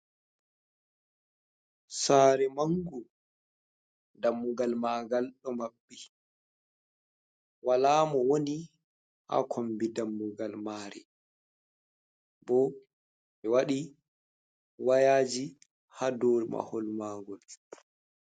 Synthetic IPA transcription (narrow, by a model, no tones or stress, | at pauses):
saːɾɛmaŋɡu | damːuɡalmaːɡalɗɔmaɓːi | walaːmɔwoni | ha̰kʰombidamːuɡalmaːɾḭ | bɔ | ɓɛwaɗi | wajaːd͡ʒi | hadoɾima̰hɔlmaːɡɔl